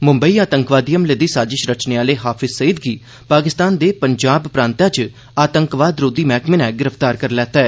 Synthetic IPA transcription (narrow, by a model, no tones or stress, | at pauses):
mʊ̃mbəiːaːt̪əŋkʋaːd̪ijəmled̪iːsaːd͡ʒɪʃɾət͡ʃneːaːleːɦaːpʰɪzsəiːd̪ɡiː | paːkɪst̪aːnd̪eːpəɲd͡ʒaːbpɾãːnt̪ãːt͡ʃ | aːt̪əŋkʋaːd̪ɾoːd̪iːmɛːkmɪnɛ̃ːɡɪɾəft̪aːɾkəɾlɛːt̪aːɛː